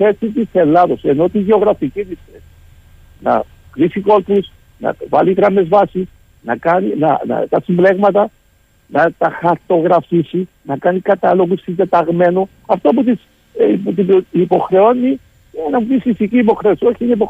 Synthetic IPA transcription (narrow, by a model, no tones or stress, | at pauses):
e̞t͡ssit̪ise̞lɐðo̞se̞no̞t̪iʝeoɣɾɐficit̪isθei | nɐ̰ | kɾisiko̞lp̪us | nɐ̰vɐlitɾɐme̞zvɐsis | nɐkɐninɐnɐ̰t̪ɐsimble̞ɣmɐt̪ɐ | nɐt̪ɐxɐɾt̪o̞ɣɾɐfisi | nɐkɐnikɐt̪ɐlo̞ɣusind̪e̞t̪ɐɣme̞nu | ɐft̪oput̪is | pt̪iipo̞xɾe̞o̞ni | ienɐt̪isisiciːp̬o̞xɾeosio̞çiineip̬o